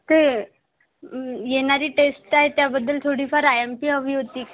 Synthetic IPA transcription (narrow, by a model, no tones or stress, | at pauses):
t̪e | jeɽ̃aɾiːʈesʈaɦet̪jabəd̪ːəlt̪ʰoɽiːfaɾajempiːɦəʋiːɦot̪iː